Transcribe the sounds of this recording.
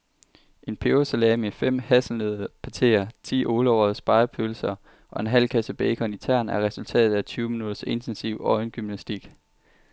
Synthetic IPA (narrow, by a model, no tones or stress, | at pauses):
ʔe̝npʰeoselɛːmefem̰hæsl̩nøðˠpʰæt͡sʰe̝̰ːɐt͡sʰḭːʔo̝ːləɒʊ̰ɐð̩ˠsb̥ɑ̈ɪɐpʰølsɐ | ʔɒ̽e̝nɦæl̰kʰæsəb̥ɛɪkʰɒ̽nit͡sʰæɐ̰næɐʁɛsult͡sʰɛ̰ːð̩ˠæt͡sʰyːʊminuðˠɐse̝nt͡sʰensiʊ̰ɒ̽ɪnɡ̥ymnæsd̥iɡ̥